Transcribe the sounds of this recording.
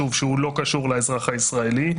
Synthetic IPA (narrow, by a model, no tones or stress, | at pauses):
uvʃeulo̞kaʃuʁlaezʁaχaisʁae̞li